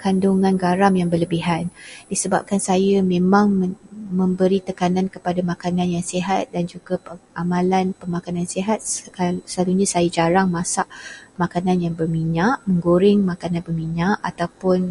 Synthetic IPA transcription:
kanduŋãnɡaɾamjaŋbərləbiɦandisəba̰p̚kansajəmẽmãŋəmə̃mbəɾit̪əkanankəpadamakanãnjaŋseɦat̪̚dand͡ʒuɡapəamãlanpəmakananseɦat̪̚səlaluɲãsajad͡ʒaɾaŋmãsaʔmakananjaŋbərmiɲaʔmə̃ŋɡoɾɪŋmãkanãnbərmiɲaʔat̪awpʊn

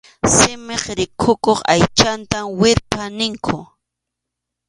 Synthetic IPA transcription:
sɪmeχɾɪkʰʊkoχa̰jt͡ʃant̪amwɪɾpanɪŋkʰʊ

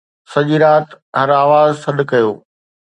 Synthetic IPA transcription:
sɐʄiːɾaːt̪ | ɦɐɾaːʋaːzsɐɗkɐjoː

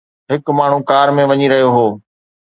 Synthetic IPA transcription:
ɦɪkmaːɳ̤ũkaːɾmẽʋɐɲiɾɐɦijoɦoː

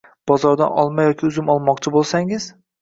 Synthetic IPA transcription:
b̥ɒzɒɾd̪a̰nɒ̰lˠmajɒkʲʰɪʊzɪmɒlˠmɒqt͡ʃʰɪbolˠsaŋɪz̥

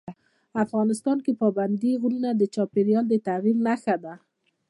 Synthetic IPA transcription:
afɣɑnɪst̪ɑnkepɑband̪iɣununad̪ət͡ʃɑpeɾjɑld̪ət̪aɣiɾnaxad̪a

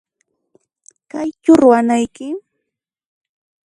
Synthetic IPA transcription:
kajt͡ʃʊɾwanajkɪ

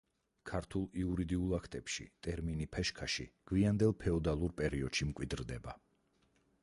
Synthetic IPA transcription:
kʰaɾt̪ʰulˠiuɾid̪iulˠakʰt̪ʼɛpʃḭt̪ʼɛɾminipʰɛʃkʰaʃḭɡ̥wiand̪ɛlˠpʰɛɔd̪alˠuɾpʼɛɾiɔd̪̥ʃimkʼwid̪ɾd̪ɛba

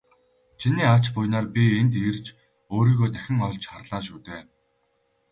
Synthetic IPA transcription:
t͡ɕʰiniːat͡ɕpʊjnaːrpʲient̪irt͡ɕ | oːɾiːɣoːt̪æxʲɪ̆ŋɔɮt͡ɕχarɮaːʃuːt̪eː

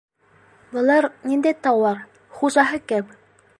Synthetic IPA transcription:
bɤ̆lˠɑɾnind̪æjt̪ɑwɑɾ | χuʑɑɦɤkæp

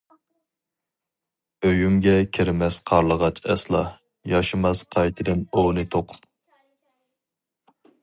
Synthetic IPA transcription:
øjymɡʲɛkʲʰɪɾmɛsqʰɑɾlˠəʁɑt͡ʃɛ̰slˠɑ̰ | jɑʃɨmɑsqʰɑjt̪ʰɨd̪ɨnownɨt̪ʰoqʰʊ̥p

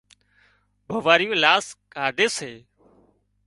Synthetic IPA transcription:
bʱəʋaːɾɪjõːlaːskaːɖʱeːseː

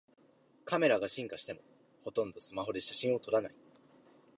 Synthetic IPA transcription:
kame̞ɾaɡaɕĩŋkaɕi̥t̪e̞mo̞ | ho̞t̪õ̞nd̪o̞sɨmaɦo̞d̪e̞ɕaɕĩɰ̃o̞t̪o̞ɾanai

